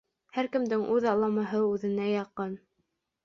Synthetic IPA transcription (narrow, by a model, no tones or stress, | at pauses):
hæɾkɘ̆md̪ɘŋʔʉðɑlˠɑmɑɦɤʉðɘ̆næjɑqɤn